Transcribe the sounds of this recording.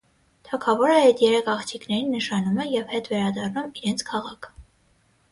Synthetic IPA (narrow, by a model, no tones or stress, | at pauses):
t̪ʰɑkʰɑvɔɾəɛt̪jɛɾɛkʰɑχt̪ʰiknɛɾinːəʃɑnumɛjɛvhɛt̪vɛɾɑd̪ɑrnumiɾɛnt͡sʰkʰɑʁɑkʰ